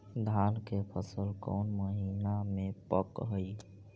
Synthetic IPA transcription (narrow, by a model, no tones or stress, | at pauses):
d̪ʱaːnkepʰəsəlkɔ̰ːnməɦiːnamẽpəkɦəi